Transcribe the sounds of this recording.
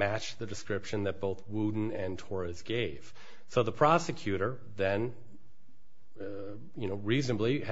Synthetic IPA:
æt͡ʃðɨdɨskɹɪpʃɨ̃nðɨt̚b̥oʊθwudⁿn̩ɨ̃ntʰɔɹɨzɡ̥eɪv̥ | soʊðəpʰɹ̥ɑsɨkʰj̥ʉɾə˞ | ðɨ̃n | jɨnoʊɹiznəbli

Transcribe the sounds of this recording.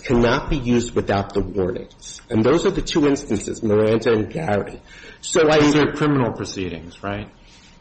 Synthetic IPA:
kʰænɑt̚b̥ijʉzd̚wɨθaʊt̪̚ðəwɔɹnɪ̰̃ŋz̥ɨ̃nðoʊzə˞ðɨtʰʉɪ̃nstɨ̃n̩sɨ̰zmə˞æ̃ndɨɨ̃nɡæɹḭsoʊaɪəkʰɹ̥ɪ̃mənl̩ˠpʰɹ̥ɨsiɾɪ̰̃ŋz̥ɹaɪt̚

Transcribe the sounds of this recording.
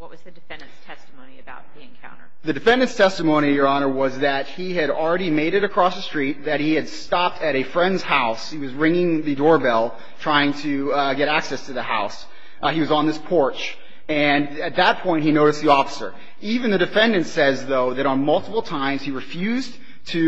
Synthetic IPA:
wʌt̚wʌzðɨdɨfɛ̃ndɨ̃nstʰɛstmõʊ̃niɨbaʊt̪̚ðiɨ̃nkʰã̰ʊ̃ntə̰˞ðɨdɨfɛ̃ndɨ̃nstʰɛstəmõʊ̃ñiɨjə˞ɑnə˞wʌzðɨt̚hiɨɾl̩ˠɹɛɾimeɪɾɨɾɨkʰɹ̥ɔsðɨstɹ̥it̪̚ðɨt̚hiɨd̥stɑp̚tʰɨɾɨfɹɛ̃ndz̥haʊshiwʌzɹɪ̃ŋɪ̃ŋðɨdɔɹbɛlˠ | tʰɹ̥aɪɪ̃ŋtʰɨɡɛɾæksɛstʰɨðɨha̰ʊs | iwʌzn̩ðɪspʰɔɹt͡ʃ | ɨ̃n | ɨt̪̚ðət̚pʰɔ̃ɪ̃nt̚hinoʊɾɨst̪̚ðiɔfə̥sə̰˞ | ivɨ̃nðɨdɨfɛ̃ndɨ̃ntsɛzðoʊðɨɾn̩mʌlˠtəpl̩ˠtʰãɪ̃mz̥iɹɨfjʉz | tʰɨ

